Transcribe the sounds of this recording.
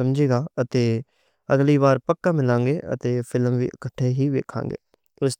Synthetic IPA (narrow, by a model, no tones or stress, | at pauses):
əmd͡ʒeːɡaːət̪eː | əɡliːβaːɾpəkːãːmɪlãːŋɡeːʔə̰t̪eːpʰɪlmʋḭːʔəkəʈʰːeːɦiːʋḛːkʰã̰ːŋɡḛː | ʊs